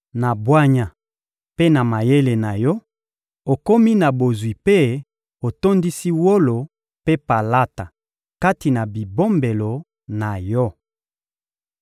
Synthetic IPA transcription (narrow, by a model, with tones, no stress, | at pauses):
na˨bwa˦ɲa˨ | pe˦na˨ma˨je˦le˨na˨jɔ˦ | o˨ko˦mi˦na˨bo˨zwi˨pe˦ | o˨to˦ndi˦si˦wo˦lo˨ | pe˦pa˨la˦ta˨ | ka˦ti˨na˨bi˨bo˦mbe˨lo˨ | na˨jɔ˦